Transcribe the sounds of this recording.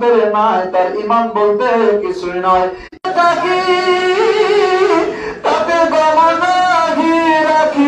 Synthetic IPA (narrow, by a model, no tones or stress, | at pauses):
eɾemat̪aɾimambolt̪eɦkisuñɔj | et̪aki | t̪apeɡɔmɔnaɡʱiɾakʰi